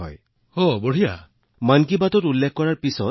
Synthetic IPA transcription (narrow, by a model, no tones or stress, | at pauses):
ɔ̰j | hobɔɽ̤ija̰ | mank̬ibatɔtulːekʰɔkɔɹaɹpisɔ